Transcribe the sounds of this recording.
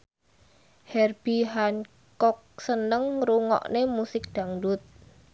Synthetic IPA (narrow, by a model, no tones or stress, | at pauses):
hɛrb̥iɦan | kɔk̚sənəŋɾuŋɔ̰ʔnemusɪk̚d̪̥a̤ŋdʊt̪̚